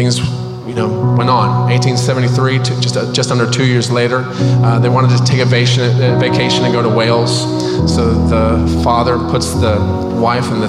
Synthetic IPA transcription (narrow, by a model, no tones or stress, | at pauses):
θɪ̃ŋz | jɨnoʊwɛ̃nn̩eɪtʰĩnsɛṽn̩tiθɹitʰd͡ʒʌstd͡ʒ̥ʌstʌ̃ndə˞tʰʉjɪɹzleɪɾə˞ | ðeɪwɑ̃ɾ̃ɨd̚tɨtʰeɪkɨveɪʃɨ̃nveɪkʰeɪʃɨ̃nɨ̃nɡoʊɾəweɪlˠz̥ | soʊðəfɑðə˞pʰʊtsðɨ | waɪfɨ̃n̩ðɨ